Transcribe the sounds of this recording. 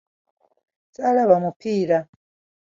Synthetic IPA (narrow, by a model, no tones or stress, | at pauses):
salaβamupila